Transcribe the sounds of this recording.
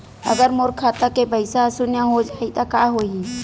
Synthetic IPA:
ə̰ɡəɾmoɾkʰːaːt̪akepəɪsasʊnjaɦod͡ʒaːit̪akaːɦoːi

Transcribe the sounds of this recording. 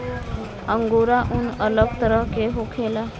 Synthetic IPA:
əŋɡoɾaʔunələɡt̪əɾəɦkeɦokʰela

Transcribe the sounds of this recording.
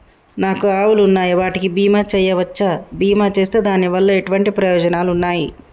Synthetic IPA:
naːkuaːwulunːaːjiʋaːʈikibiːmaːt͡ʃɛːjɐʋɐt͡ʃːɐbiːmaːt͡ʃe̞ːst̪eːd̪aːniʋɐlːɐeʈuʋɐɳʈipɾɐjɔːd͡ʒɐnaːlunːaːji

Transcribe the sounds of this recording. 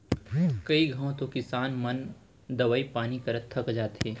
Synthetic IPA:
kɐiɡʱɐõt̪okɪsaːnmɐn | d̪ɐʋaːipaːnikɐɾət̪ʰːəkd͡ʒaːt̪ɦeː

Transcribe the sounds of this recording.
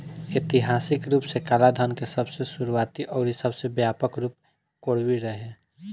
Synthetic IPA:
et̪ɪɦaːsɪkɾuːpsekaːlad̪ʱənkesəbsesʊɾuaːt̪iʔɔːɾisəbsebjaːpəkɾuːp̚ | koːɽ̤wiɾəɦe

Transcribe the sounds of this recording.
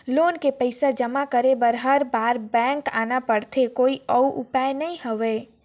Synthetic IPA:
loːnkepəɪsad͡ʒɐmakəɾebəɾɦɐɾbaːɾbɛ̃ːŋka̰ːnapəɽt̪ʰekoːiəuʔʊ̰paːenɐĩɦoʋeː

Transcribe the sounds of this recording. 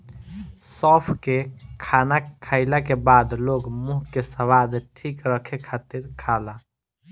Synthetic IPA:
sɔːpʰkekʰaːnakʰaːɪlakebaːd̪loːɡmuɦkesəwaːd̪ʈʰiːkɾəkʰekʰaːt̪iɾkʰaːla

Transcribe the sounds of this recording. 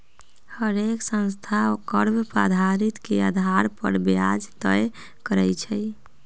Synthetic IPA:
həɾeksə̃nst̪ʰaokəɾbpɾa̰d̪ʱaɾit̪kead̪ʱaɾpə̰ɾbja̰d͡ʒt̪əj | kəɾɛt͡ʃʰɛj

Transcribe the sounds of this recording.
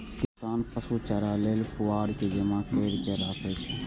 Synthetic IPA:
kɪsaːnpəsut͡ʃəɾaːleːlpʊʋaːɽked͡ʒemãkeːɾkeɾaːkʰet͡ʃʰe

